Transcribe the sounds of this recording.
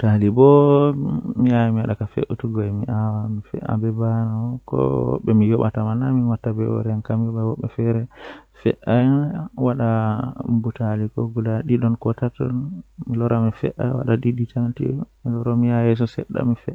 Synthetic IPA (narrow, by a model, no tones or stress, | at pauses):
utalibɔ | miajɛmiwaɗakafḛʔutuɡɔɛmiʔawamifɛ̰ʔa̰bɛbanakɔ̰ɓɛmijɔɓa̰tamanaminwatːabɛɔ̰ɾɛankamjɔɓawɔɓːɛfɛɾɛfɛ̰ʔawaɗa | butalikɔɡulaɗiɗɔnkɔtatɔ̰nmilɔɾamifɛ̰ʔawa̰ɗaɗiɗitʰaŋtḭmilɔɾɔmiajɛs̬ɔsɛɗːa̰mifɛ